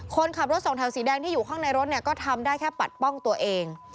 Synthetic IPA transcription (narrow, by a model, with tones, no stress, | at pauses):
kʰo˧nkʰa˨˩p̚ɾo˦˥t̪̚sɔː˨˩˦ŋt̪ʰɛ˨˩˦wsiː˩˦dɛː˧ŋt̪ʰiː˥˩juː˨˩kʰaː˥˩ŋna˧jɾo˦˥t̪̚ni˥˩ɐkɔː˥˩t̪ʰa˧mdaː˥˩jkʰɛː˥˩pa̰˨˩t̪̚pɔ˥˩ŋt̪u˧ɐʔeː˧ŋ